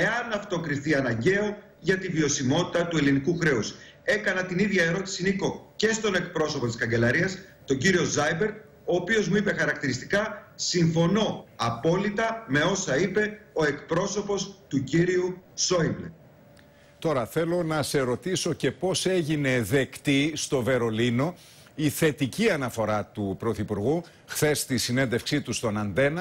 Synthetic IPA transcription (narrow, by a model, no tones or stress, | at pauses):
e̞ɐnɐft̪o̞kɾiθiɐnɐɲɟe̞o̞ | ʝɐt̪ivio̞simo̞t̪i̥t̪ɐt̪ue̞linikuxɾe̞us | e̞kɐnɐt̪iniðʝɐe̞ɾo̞t̪i̥siniko̞ce̞st̪o̞ne̞kpɾo̞so̞pot̪i̥skɐɲɟe̞lɐɾiɐs | t̪o̞ɲɟiɾio̞zɐjbe̞ɾd̪ | o̞ːpio̞zmuipe̞xɐɾɐk̚t̪iɾist̪i̥kɐsiɱfo̞no̞ɐpo̞lit̪ɐme̞o̞sɐipe̞o̞e̞kpɾo̞so̞po̞st̪uciɾiuso̞ible | t̪o̞ɾɐθe̞lo̞nɐse̞ɾo̞t̪iso̞ce̞po̞se̞ʝine̞ðe̞kt̪ist̪o̞ve̞ɾo̞lino̞ | iθe̞t̪iciɐnɐfo̞ɾɐt̪upɾo̞θipuɾɣu | xθe̞st̪isine̞nd̪e̞fksit̪ust̪o̞nɐnd̪e̞nɐ